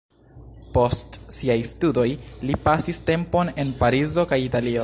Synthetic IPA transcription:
po̞stsiajstudo̞jlipasiste̞mpo̞ne̞npaɾizo̞kajitalio

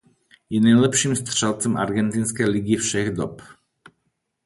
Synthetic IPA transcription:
jɛnajlɛpʃimst̪rʃalˠt̪sɛma̰ɾɡɛnt̪inskɛjliɡifʃɛɣd̪ɔp

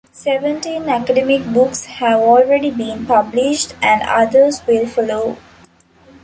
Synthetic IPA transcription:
seʋə̃ɳʈĩːnækəɖemɪk̚bʊkshæʋɔːlɾeɖibĩːnpʌblɪʃʈæ̃ɳɖʌ̰d̪əɾsʋɪlfɔloː

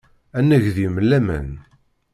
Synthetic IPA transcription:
ænːəʝðimlːæmæ̰n

